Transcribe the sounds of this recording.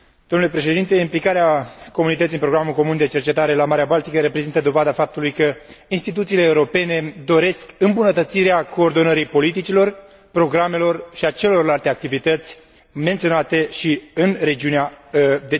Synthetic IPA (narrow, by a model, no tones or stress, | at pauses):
d̪̥omnule̞pɾe̞ʃe̞d̪int̪e̞implikaɾeako̞munit̪ət̪sinmpɾo̞ɡɾamulko̞mund̪e̞t͡ʃe̞rt͡ʃe̞t̪aɾe̞lamaɾeabalt̪ikəɾe̞pɾezint̪əd̪o̞vad̪afap̚t̪ulujkəinst̪it̪̬ut̪siːleːuɾo̞pe̞ne̞d̪o̞ɾe̞skɨmbunət̪ət̪siɾeako̞ːrd̪o̞nəɾijpo̞lit̪̬it͡ʃilo̞r | pɾo̞ɡɾame̞lo̞rʃiat͡ʃelelo̞rlalt̪e̞ak̚t̪ivit̪ət̪sʲ | ment̪sio̞nat̪e̞ʃiɨnre̞d͡ʒiunead̪e